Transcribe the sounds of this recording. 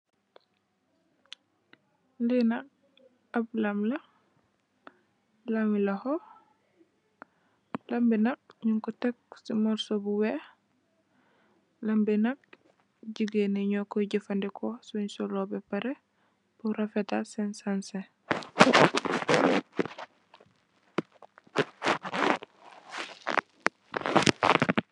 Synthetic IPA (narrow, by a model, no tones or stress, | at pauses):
linɐk | ablamlɐ | lamilɐhɔ | lambinɐk̚ɲuŋkɔtɛk̚simɔɾsɔbuwɛ | lambinɐk̚ | ɟiɡenɛɲɔkɔɟifandɛkʰɔsuɲsɔlɔbɛpɐɾɛ | buɾafɛtasɛnsansɛ